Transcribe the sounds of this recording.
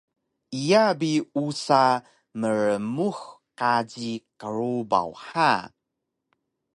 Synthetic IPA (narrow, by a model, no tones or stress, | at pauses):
ijabiusa | məɾəmuxqaɟikəɾuba̰wħa